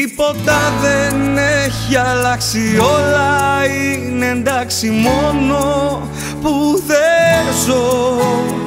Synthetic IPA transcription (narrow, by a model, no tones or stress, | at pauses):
ipo̞t̪ɐðeneçiɐlɐksiolɐineend̪ɐksimono̞ | puðezo